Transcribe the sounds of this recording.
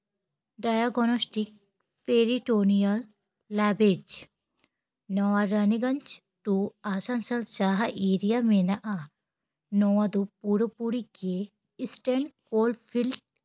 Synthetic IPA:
ɖajaɡnosʈik̚ | peːɾiʈoːnijɐlː | aːbed͡ʒ | nɔʋaɾɐniɡɐnt͡ʃ | ʈuaːsansɐlt͡ʃaːɦaʔeːɾijamenɐʔa | noʋad̪upuɾəpuɾike | ɪsʈeɳɖkoːlfʰilʈ̚

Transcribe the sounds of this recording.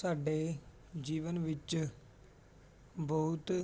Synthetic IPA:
saːɖeː | d͡ʒiːʋənʋɪt͡ʃ | bɔʊt̪

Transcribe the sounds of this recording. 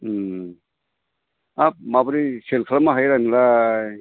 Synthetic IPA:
amabɾiselkʰlamaɦajɾanla

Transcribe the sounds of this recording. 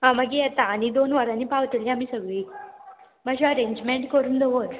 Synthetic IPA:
ɦãməɡijɛt̪aːnid̪onʋaɾãnːiːpaʋt̪ilĩamiːsəɡɭiː | maɕeəɾẽɲd͡ʑmeɳʈkəɾuːnd̪ʱeʋot̪

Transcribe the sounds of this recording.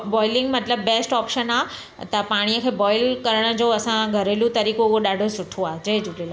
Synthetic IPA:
bɔːɪlɪ̃ŋɡmɐt̪ləbːeːsʈɔːpʃəna | t̪ɐpaːɽ̃ijəkʰeːbɔːɪlkɐɾəɽ̃ə̆d͡ʑoɐsãɡʱɐɾelũt̪ɐɾiːkoʊɦoɗaːɖʱosʊʈʰoaːɦed͡ʑɐed͡ʑulela

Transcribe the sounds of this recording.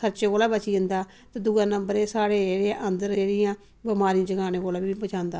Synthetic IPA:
sʰəɾt͡ʃeːkoːlaːbət͡ʃiːənd̪aː | t̪ad̪ʊɡãːnəmbəɾẽːsaːɽeːɾeʔənd̪əɾeːɽɪjãː | bəmaːɾiːãd͡ʒəɡaːneːkoːlaːbibət͡ʃaːnd̪aː

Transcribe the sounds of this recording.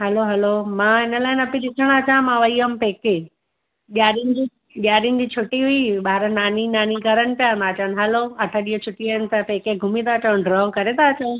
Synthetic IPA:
ɦɐloɦɐlomãːɪnəlaːɪnɐpĩɗɪsʰəɽ̃ət͡ɕãmãʋɐiɦəmpeːke | ʄaːɗinɪ̆d͡ʑi | ʄaːɗinɪ̆d͡ʑiːt͡ɕʰʊʈiɦʊiɓaːɾənaːninaːniɡɐɾəñɪ̆pijãnd̪aːt͡ɕãn̆ɦɐloɐʈʰəɗiɦot͡ɕʰʊʈiɦʊnt̪ɐpeːkeɡʱʊmĩt̪at͡ɕəʊ̃nɖɾɔːkɐɾet̪aːt͡ɕə̃

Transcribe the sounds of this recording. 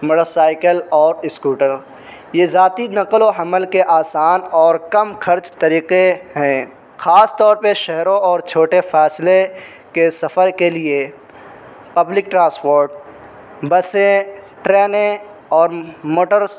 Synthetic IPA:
məʈəsaːɪkəlɔːɾɪskuːʈəɾ | jezaːt̪inɐqloɦɐməlkeʔaːsaːnɔːɾkɐmxʰɐɾt͡ʃt̪ɐɾiːqeɦɛ̃ː | xaːst̪ɔːɾpeʃɛɦɾõɔːɾt͡ʃʰoːʈefɛːsle | kesɐfəɾkelie | pɐblɪk̚ʈɾãːspoːɾʈ̚ | bɐsẽ | ʈɾɛːnẽ | ɔːɾmoːʈəɾ

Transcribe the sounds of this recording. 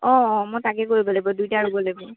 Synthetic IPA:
ɔ̃ɔmɔjtakɛkoɹibɔlajbɔdujtaɹubɔlajbʊ̃

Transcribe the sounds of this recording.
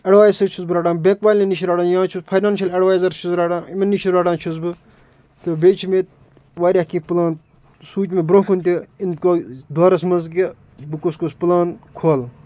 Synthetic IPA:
ɐɖʋaːjsɨt͡ʃʰusbɨɾaːɖaːnbẽːkbaːlʲenit͡ʃʰiɾaːɽaːnjãːt͡ʃʰuspʰɐjnaːnʃɐlɐɖʋaːjzɐɾt͡ʃʰuzɾaːɽãːnimenːit͡ʃʰiɾaːɽãːnt͡ʃʰusbɨ | t̪ɨbeːt͡ʃʰimet̪ | ʋaːɾʲakĩːpɨlãːn | suːt͡ʃʲmebɾõɦkʰunt̪ʲiinkod̪waːɾɐsmɐnzkʲi | bɨkoskospɨlaːnkʰoːl

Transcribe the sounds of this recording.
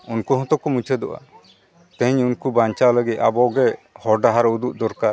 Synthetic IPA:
unkuɦɔ̃t̪ɔkɔmut͡ʃʰɛd̪ɔʔa̰ | t̪ɛ̃ɲunkubaɲt͡ʃaləɡit̪̚abɔɡɛhɔɾɖaɦaɾud̪uʔ̚d̪ɔɾka

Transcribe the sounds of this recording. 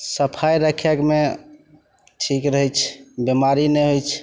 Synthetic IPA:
səpʰajɾəkʰekme | ʈʰikɾəɦɛt͡ʃʰbemaɾinɛɦojt͡ʃʰ

